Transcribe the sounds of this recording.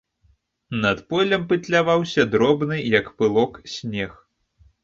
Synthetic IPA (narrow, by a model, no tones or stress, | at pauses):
nɐt̪pɔlʲɐmpɨt̪lʲavawsʲɐd̪ɾɔbnɨjɐkpɨlˠɔksʲnʲɛx